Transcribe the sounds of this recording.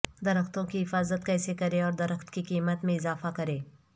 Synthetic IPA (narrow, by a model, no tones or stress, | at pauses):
d̪ɐɾəxt̪õkiɦɪfaːzət̪̚kɛːsekɐɾeɔːɾd̪ɐɾəxt̪kikiːmət̪mẽɪzaːfakɐɾẽː